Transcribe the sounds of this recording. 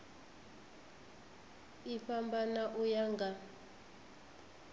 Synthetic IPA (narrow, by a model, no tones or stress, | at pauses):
iɸambanaʔujaŋɡa